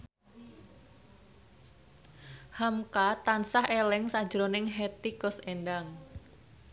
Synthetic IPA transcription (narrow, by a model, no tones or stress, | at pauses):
hamkat̪ansahelɪŋsḁd͡ʒɾonɪŋɦet̪ikɔsendaŋ